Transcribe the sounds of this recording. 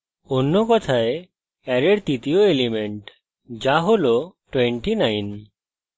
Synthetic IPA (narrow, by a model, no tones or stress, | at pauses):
onːɔkɔt̪ʰae | ɛɾeɽt̪it̪ioelimeɳʈ | d͡ʒaɦolɔʈweɳʈinajn